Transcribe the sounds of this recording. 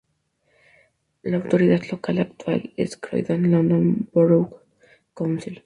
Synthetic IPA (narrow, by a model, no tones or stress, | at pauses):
laawt̪oɾiðat̪lokalak̚t̪wa̰lɪskɾo̰jðãnlɔ̃nd̪õnboɾow | kawnsil